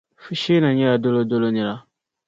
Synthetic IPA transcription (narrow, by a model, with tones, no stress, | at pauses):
fi˦ʃeː˦na˨ɲɛ˦la˨do˦lo˦do˦lo˦nɪ˨la˦